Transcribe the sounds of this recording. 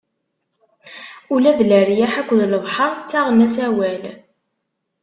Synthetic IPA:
ulæðləɾjaħækʷːðləvħɑɾˤt͡sːaʁnæsæwæl

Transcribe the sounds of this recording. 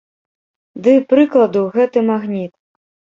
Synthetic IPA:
d̪ɨpɾɨklˠɐd̪uɣɛt̪ɨmaɣnʲit̪̚

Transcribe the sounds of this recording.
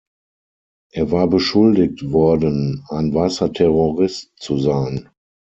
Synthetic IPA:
ʔeːɐvaːɐbəʃʊldɪk̚tvɔɐdənaɪnvaɪsɐtʰɛʁoʁɪstt͡suzaɪn

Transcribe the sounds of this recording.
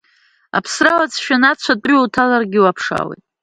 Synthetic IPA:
a̰pʰsralat͡sʰʃᶣanat͡ɕʷʰatʼiwtʰalarɡʲiwapʰʂa̰wḛjtʼ

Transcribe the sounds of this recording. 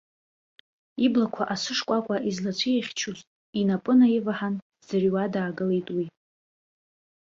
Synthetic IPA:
iblakʷʰaʔasɨʂkʷʼakʷʼaʔizlat͡ʃʷʰieχʲt͡ʃʰuztʼ | inapʼɨnajivaħan | z̥ariwadaːɡɨle̞jtʼwi

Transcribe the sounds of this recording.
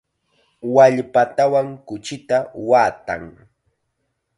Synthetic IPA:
waʎpat̪awaŋkʊt͡ʃɪt̪awaːt̪a̰ŋ

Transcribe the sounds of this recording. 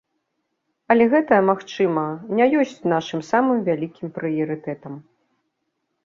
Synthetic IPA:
ɐlʲɛɣɛt̪ɐjɐmaxt͡ʂɨmɐnʲajɔsʲt͡sʲnaʂɨmsamɨmvʲalʲikʲimpɾɨjɐɾɨt̪ɛt̪ɐm

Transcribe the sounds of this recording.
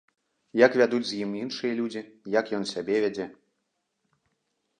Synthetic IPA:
jakvʲad̪ud͡zʲzʲjiminʂɨjɐlʲud͡zʲijakjɔnsʲabʲɛvʲad͡zʲɛ

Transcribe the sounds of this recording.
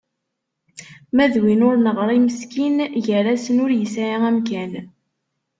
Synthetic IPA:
mæðwinʊɾnəʁɾˤiməskinʝəɾæsənʊɾjəsaɾaæmk̬æn

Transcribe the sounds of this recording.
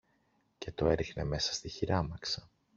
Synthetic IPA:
ce̞t̪o̞e̞ɾixne̞me̞sɐ̥st̪içiɾɐmɐksɐ̥

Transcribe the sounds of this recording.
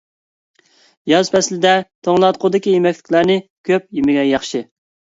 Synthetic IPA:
jɑzpʰɛslɪd̪ɛt̪ʰoŋlˠɑt̪̚qʰʊd̪ɪkʲijemɛkʲlɪ̥kʲlˠæɾnɪkʲʰøp̚jimɪɡʲɛjɑχʃɨ

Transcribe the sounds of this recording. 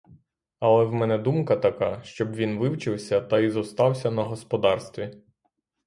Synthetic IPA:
ɐlˠɛwmɛnɛd̪umkɐt̪ɐkɑʃt͡ʃɔbʋʲinʋɪwt͡ʃɪwsʲɐt̪ɐizɔst̪ɑwsʲɐnɐɦɔspɔd̪ɑrst̪ʋʲi

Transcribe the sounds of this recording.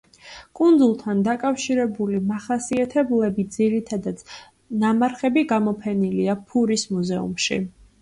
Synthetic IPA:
kʼund̪zulˠt̪ʰand̪akʼafʃiɾɛbulimaχasiat̪ʰɛblɛbid̪ziɾit̪ʰad̪at̪sʰ | namaɾχɛbiɡamɔpʰɛniliapʰuɾismuzɛṵmʃḭ

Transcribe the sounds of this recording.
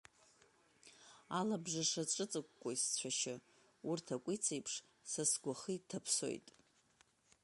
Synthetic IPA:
alabʐaʂaʈ͡ʂʼɨt͡sʼɨkʷːʼoist͡ɕʷʰaʃɪ | urtʰakʷʼit͡sʰejpʰʂ | sasɡʷaχitʰapʰso̞̰jtʼ

